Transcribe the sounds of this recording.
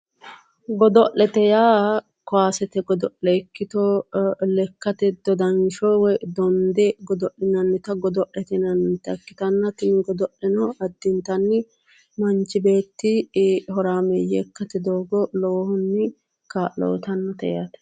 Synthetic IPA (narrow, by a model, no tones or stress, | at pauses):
ɡɔd̪ɔʔɛt̪ɛjaː | kɔaːsɛt̪ɛɡɔd̪ɔʔɛkːɪt̪olɛkːɐt̪ɛd̪̥ɔd̪ɐnʃɔwɛd̪ɔnd̪ɛɡɔd̪ɔʔɪnɐnːɪt̪ɐɡɔd̪ɔʔɛt̪ɪnɐnt̪ɐkːɪt̪ɐnːɐt̪ɪnɪɡɔd̪ɔʔɛnɔɐd̪ːɪnt̪ɐnːɪ | mɐnt͡ʃːɪbe̞ːt̪ːɪɦɔɾaːmɛjɛ̰kːɐt̪ɛd̪oːɡɔloːhʊnːɪ | kaːlo̰ːt̪ɐnːɐt̪ɛ̰ja̰t̪ɛ̥